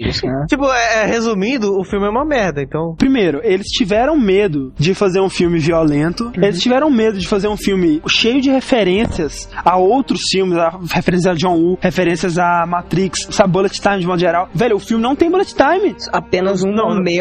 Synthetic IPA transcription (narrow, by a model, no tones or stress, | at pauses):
iskat͡ʃipʊɛɛhezumid̪ʊʊfiwmɪɛũmɐmɛɾd̪ɐẽnt̪ɐ̃w̃pɾimejɾʊelɪst͡ʃivɛɾɐ̃w̃med̪ʊd͡ʒɪfazeɾũfiwmɪviolẽnt̪ʊelɪst͡ʃivɛɾɐ̃w̃med̪ʊd͡ʒɪfazeɾũfiwmɪʃejʊd͡ʒɪhefeɾẽsiɐsaowt̪ɾʊsfiwmɪzahefeɾẽsjɐzaʒõw̃uhefeɾẽsiɐzamat̪ɾikssabɪbolɛt͡ʃt̪aj̃mɪd͡ʒɪmɔd̪ʊʒeɾawvɛʎʊʊfiwmɪnɐ̃w̃t̪ẽj̃bolɛt͡ʃt̪ajmɪapẽnɐzũnɐ̃me